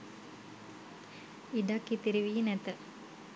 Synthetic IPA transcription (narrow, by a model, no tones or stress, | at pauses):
iɖakːit̪iɾiʋiːnɛt̪ə